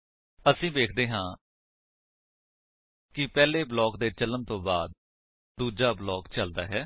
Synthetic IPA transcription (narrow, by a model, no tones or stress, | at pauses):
əsĩːbeːkʰd̪eːɦãː | kɪpɛːleːblɔːkd̪eːt͡ʃələnt̪õːbaːd̪̚ | d̪uːd͡ʒaːblɔːkt͡ʃəld̪a̰ːɦɛː